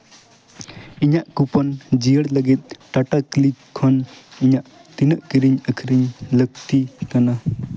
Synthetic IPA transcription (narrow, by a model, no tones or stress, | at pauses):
iɲaʔkupɔnd͡ʒijəɽlɐɡit̪̚ʈaʈaklikkʰːɔniɲaʔ | t̪inəʔkiɾiɲəkʰiɾiɲlək̚t̪it̪ana